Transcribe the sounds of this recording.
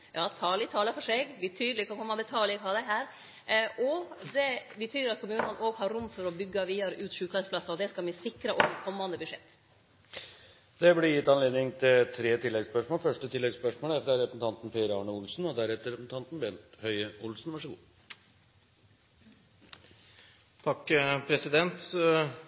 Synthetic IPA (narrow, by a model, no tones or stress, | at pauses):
jɑːt̪ʰɑːlɪt̪ʰɑːləfɔʂeːɡʋɪt̪ʰyːd̪əlɪkʰɑkʰɔmːɑbət̪ʰɑːlɪkʰɑːd̪ɛɦæːɾ | ʔɔd̪ɛbət̪ʰyːɾɑt̪kʰʊmʉːnəɑnʔoːɡɦɑɾːʊmːfɔɾɔbʏɡːɑʋiːɑɾʉːt̪ʃʉːkɑsplɑsɑɔd̪ɛskɑlmɪsɪkɾəʔɔkɛkʰɔmːɑnd̪əbʉʂɛt̪ː | d̪̥ɛblɪɾjɪt̪ːɑnleːd̪nɪŋt̪ʰɪlt̪ʰɾeːt̪ʰɪlːɛɡspœʂmoːlfœʂʈət̪ʰɪlːɛɡspœʂmoːlɛfd̪æɾɛpɾəsn̩t̪ʰɑnt̪n̩pʰeːɾəɑɳəʊlsn̩ɔd̪æɾɛt̪ːəɾɛsn̩t̪ʰɑnt̪n̩bɛnt̪hœʏəʊlsnʋɑʂəɡṵː | t̪ʰɑkːpʰɾɛsɪd̪ɛnt̪